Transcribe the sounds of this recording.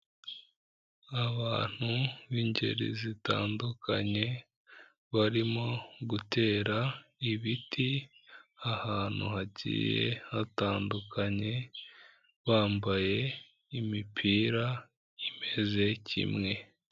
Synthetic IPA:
aβaːn̥huβiɲɟe̞̰ɾḭzita̰ːndukʰaɲe̞ | βaɾimo̞ɡute̞ːɾaiβiti | ahaːn̥ṵhacḭːje̞̰hataːndukʰaɲe̞ | βaːmbaje̞ | imipʰiːɾa | ime̞ze̞cḭmŋe̞

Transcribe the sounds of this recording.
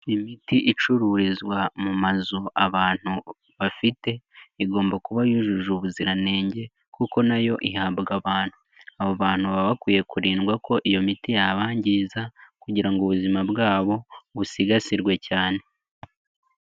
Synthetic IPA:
imitiʔit͡ʃuɾuːɾizɡwamumazuaβaːn̥hu | βafite̞iɡo̞ːmbakuβajuʒuʒuβuziɾane̞ːɲɟe̞ | kuko̞najo̞ʔihabɡaβaːn̥hu | aβoβaːn̥huβaβakwiːje̞kuɾiːnɡwako̞ʔijo̞mitijaβaːɲɟiːzakuɟiɾaŋɡuβuzimabɡaːβo̞βusiɡasiɾɡwe̞caːne̞

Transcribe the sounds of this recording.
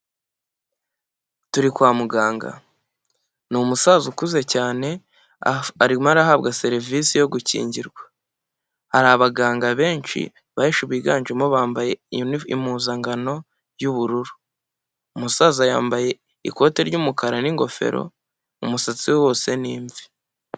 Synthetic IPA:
tuɾikwaːmuɡaːŋɡa̰ | numusazukuze̞caːne̞ | aɾimaɾaɦabɡase̞ɾivisijo̞ɡucḭːɲɟiɾɡwḁ | haɾaβaɡaːŋɡaβe̞ːnt͡ʃḭ | βaheʃuβiːɡaːnd͡ʒemoβaːmbaje̞ḭmuːzaŋɡano̞ | juβuɾuɾuː | musaːzaja̰ːmbaje̞ | ḭko̞ːteɾɟumukaɾaniŋɡo̞̰fe̞̰ɾo̞̰ | umusat͡siwewo̞ːse̞niːɱvi

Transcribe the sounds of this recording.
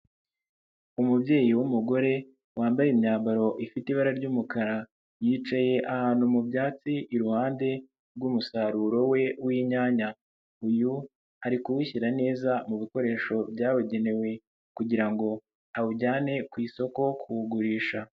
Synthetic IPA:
umubje̞ːjiwumuɡo̞ɾe̞ | waːmbajemɲaːmbaɾo̞ʔifitiβaɾaɾɟuːmukaɾa | jiːt͡ʃaje̞ʔahaːnhumubjaːt͡siʔiɾuhaːnde̞ | ɾɡuːmusaɾuːɾo̞we̞wiːɲaːɲa | uju | aɾikuwiçiɾane̞ːzamuβiko̞ɾe̞ːʃo̞bjaːweɟe̞ne̞we̞ | kuɟiɾaŋɡo̞ | awuɟaːne̞kwiːso̞ko̞kʰuhuɡuɾiːʃa

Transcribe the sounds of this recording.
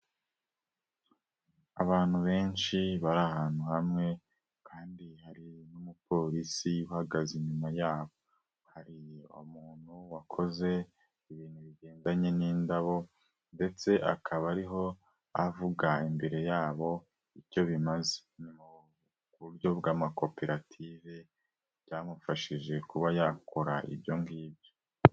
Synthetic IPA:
a̰βaːn̥huβe̞ːnʃiβaɾahaːn̥uhamŋe̞ | kʰaːndihaɾinumupo̞ɾisiuhaɡaziɲumajaːβo̞ | haɾiṵmuːn̥huwakʰo̞ze̞ | iβiːnhuβiɡe̞ːndaɲe̞niːndaβo̞ | nde̞t͡se̞ʔa̰kʰaβaɾiɦo̞ | avuɡaimbe̞ɾe̞jaːβo̞ | ico̞βimaze̥ɲumu | kuɾjo̞bɡaːmako̞peɾatʰive̞ | jaːmufaʃiʒe̞kuβajako̞ɾa̰ʔḭbjoŋɡiːbjo̞

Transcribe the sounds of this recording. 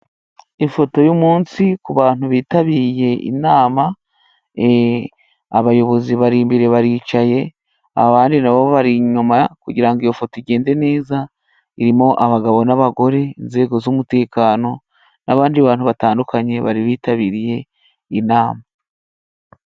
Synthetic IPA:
ifo̞to̞jumuːnsikuβaːn̥huβiːtaβiɾije̞ʔḭnaːma | e | aβajo̞βo̞ziβaɾiːmbiɾe̞βaɾiːt͡ʃaje̞ | a̰βaːndinaβoβaɾiɲumakuɟiɾaŋɡijo̞fo̞toiɟe̞ːnde̞ne̞ːza | iɾimo̞ʔaβaɡaβo̞naβaɡo̞ɾe̞inze̞ːɡo̞zumute̞ːkaːno̞ | naβaːndiβaːn̥huβataːndukʰaɲe̞βa̰ɾiβiːtaβiɾije̞ | inaːma

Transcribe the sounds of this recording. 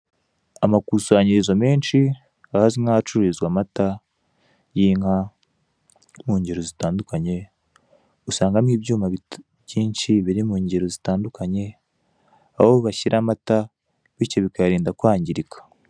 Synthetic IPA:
amakuswaːɲiɾizome̞ːnʃi | ahazimŋat͡ʃuɾizɡwamata | jiːŋha | muːɲɟeɾozitaːndukaɲe̞ | usaːŋɡamiːbɟuːmaβi | jiːnʃiβiɾimuːɲɟeɾozitaːndukaɲe̞ | a̰βoβaçiɾʔamata | βicoβikaɾiːndakwaːɲɟiɾikʰḁ

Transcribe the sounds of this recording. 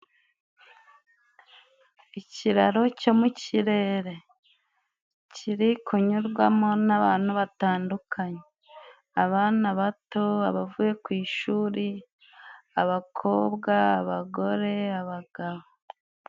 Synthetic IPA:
iciɾaɾo̞co̞muciɾe̞ɾe̞ | ciɾikʰuɲuɾɡwamo̞naβaːnhuβataːndukʰaɲe | aβaːnaβato̞aβavuje̞kwiːʃuːɾi | aβakʰo̞ːbɡaːβaɡo̞ɾe̞aβaɡ̥aβo

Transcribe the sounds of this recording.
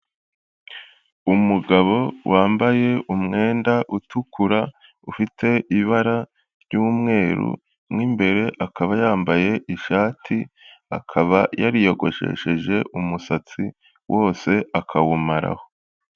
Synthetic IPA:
umuɡaβo̞wʔaːmbaje̞umŋe̞ːndaʔutukʰuɾa | ufitʰe̞iβaɾa | ɾjuːmŋe̞ːɾṵ | mŋiːmbe̞ɾe̞ʔakʰaβajaːmbaje̞ʔiʃaːtʰia̰kʰaβajaɾijo̞ɡo̞ʃḛʃeʒe̞ʔumusat͡si | wʔo̞ːse̞ʔakʰawumaɾa̰ho̞

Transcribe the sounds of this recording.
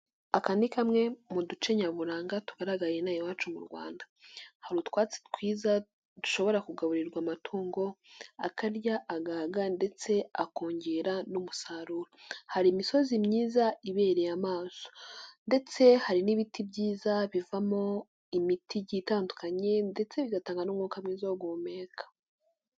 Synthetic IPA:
akanikamŋe̞mudut͡ʃe̞ɲaβuɾaːŋɡatu̥ɡaɾaɡaje̞najowaːt͡ʃumṵɾɡwa̰ːndahaɾutwaːt͡se̥twiːza | d̥u̥ʃo̞βo̞ɾakuɡaβuɾiɾɡwamatʰuːŋɡo̞akaɾjaʔaɡaːɡande̞t͡se̞ako̞ːɲɟe̞ɾanumusaːɾuɾohaɾimiso̞zimɲiːzaiβe̞ːɾejamaːso̥nde̞t͡se̞haɾiniβitʰibɟiːzaβivamo̞ | imitʰiɟitaːndukaɲe̞nde̞t͡se̞βiɡataːŋɡanumŋuːkamŋiːzaoɡwomeːkʰḁ

